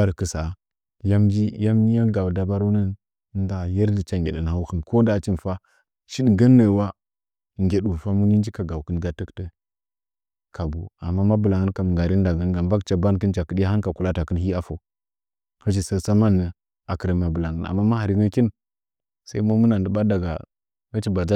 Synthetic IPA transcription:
a˦ɾkə˨sa˨ | ja˦md͡ʒi˦ja˦m˦i˦ja˦ɡa˨wda˨ba˦ɾu˦nə˦n˦ | da˨jə˦ɾdə˨t͡ʃa˦ŋɡʲḛ˨ɗə˨na˨u˦xə˨mko˦da˨t͡ʃi˦n˨fa˦ | ʃi˦dɡə˦nːə˨wa˦˨ | ŋɡʲe˨ɗu˨fa˦mu˦ɲi˦n˦d͡ʒi˦ka˨ɡa˨wkə˦nɡa˦tə˦ktə˦ | kʰa˨bu˨a̰˨mːa˦ma˦bə˨la˨ŋə˦n˦ka˨m˨ɡa˨ɾi˦n˦da˨ɡə˦nɡa˨ba˦kt͡ʃa˨ba˦n˦kə˦nt͡ʃa˨kə˦ɗi˦ja˦a˦n˦ka˨ku˨la˦ta˨kə˦nhi˦a˦fo˨ | hə˦ʃ̬i˨sə˦˨sa˦ma˦nːə˨ | a˨kə˨ɾə˨ma˨bə˨la˨ŋə˨na̰˨mːa˦ma˦ha˨ɾi˨ɡə˦ki˦n˦ | sa˦i˦ma˦mu˦na˨n˨də˨ba˦da˨ɡa̰˨ | ɡa˦t͡ʃi˦ba˨d͡ʒa˦

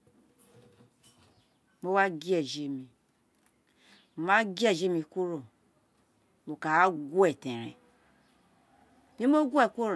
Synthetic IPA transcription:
mo˦wa˦ɡi˦ɛ˨d͡ʒe˨mi˨ | ma˦ɡi˦ɛ˦˨d͡ʒe˦mi˨ku˦ɾo˨ | bo˨ka˨a˦ɡu˦ɛ˨tẽ˨ɾḛ˨ | mi˦mo˦ɡu˦e˦˨ko˦ɾ

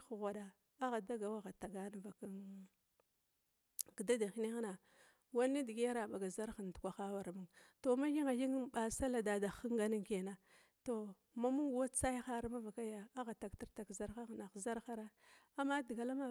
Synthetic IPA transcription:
ɣʷa˨ɗa˨ | a˦ɣa˨da˦ɡa˨wa˦ɣa˨ta˨ɡa˦n˦va˨ka˦n | kda˦da˨xi˦ne˦ɣna˨ | wa˦ni˦di˨ɡi˦a˦ɾa˨ɓa˨ɡa˨za˦ɾxa˨n˨tkʷa˨xa˦wa˨ɾmu˦ŋto˨ma˦ji˦ŋa˨ji˦ŋ˦ɓa˨sa˦la˨da˨da˨xə˦ŋɡa˨˦ni˦ŋke˨na˦ | to˨ | ma˦mu˦ŋ˦wa˦t͡sa˦jxa˦ɾma˦va˨ka˦ja˨a˦ɣa˨ta˨kti˦ɾta˨kza˦ɾxa˦ɣna˨xza˦ɾxa˦ɾa˦ | a˨mːa˦di˨ɡa˨la˦ma˦

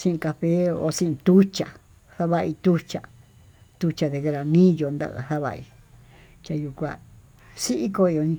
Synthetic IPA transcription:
sĩ˦ʔĩ˧ka˧ɸe˦o̰˧sĩ˦ʔĩ˧t̪u˦t͡ʃa˨ | ha˦βa˧i˧t̪u˦t͡ʃa˨˧ | t̪u˧t͡ʃa˧ðe˧ke˧ɾa˧nĩː˦jo˧nd̪a̰˧ʔha˦βa̰˧ḭ˧ | t͡ʃʲa˧ju˧kʷa˧ | si˦ʔi˦ko˧i˧o˧nĩ˧

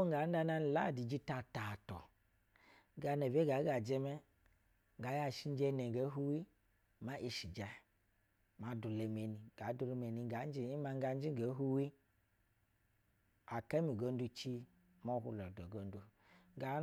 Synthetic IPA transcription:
o˦ŋ˦ɡa˨˦n˦da˧na˧n˨la˦˨di˨d͡ʒi˧ta˧˨ta˨tɔ̰˨˦ | ɡa˧nɛ˨ve˦ɡa˨˦ɡa˨d͡ʒɛ˧mɛ˦˨ | ɡa˨˦ja˧˨ʃi˦˧n˦d͡ʒɛ˧nɛ˨ɡe˨˦ɦu˦wi˦ | ma˨˦ʔi˧ʃi˨d͡ʒa˨˧˨ | ma˨˦du˨lɛ˧me˧ni˧ɡa˨˦du˧lɛ˧me˧ni˧˨ɡa˨˦d͡ʒi˦i˦ma˧ŋ˦ɡa˧˦n˦d͡ʒi˦ŋɡe˨˦ɦu˧wi˦ | a˨kɛ˦mi˨ɡo˧n˦du˧t͡ʃi˧ | mɔ˧˦hṵ˧lɔ˨dɔ˨ɡo˧n˦du˧˦ | ɡa˨˦

